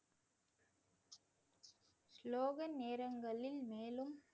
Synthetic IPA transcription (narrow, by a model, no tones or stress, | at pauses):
sloːɣɐneːɾɐŋɡɐɭɪlmeːlɯm